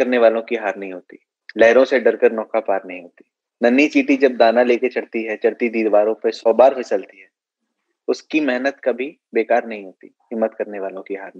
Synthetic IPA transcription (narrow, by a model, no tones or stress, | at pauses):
ɐɾneʋaːlõkiɦaːɾnɐɦĩɦoːt̪i | lɛːɾõseɖɐɾkəɾnɔːkapaːɾnɐɦĩɦoːt̪i̥ | nɐnːit͡ʃiːʈid͡ʒɐb̚d̪aːnaleːket͡ʃɐɽt̪iɦɛt͡ʃɐɽt̪id̪iːd̪ʋaːɾõpesɔːbaːɾfʰɪsəlt̪iɦɛː | ʊskimɛɦnət̪kabʱi | beːkaːɾnɐɦĩɦoːt̪i | ɦɪmːət̪kɐɾneʋaːlõkiɦaːɾnĩ